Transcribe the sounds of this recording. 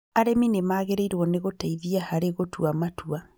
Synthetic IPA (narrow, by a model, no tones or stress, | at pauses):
aɾeminemaːɣeɾeiɾwɔneɣotaiðiahaɾeɣotwamatua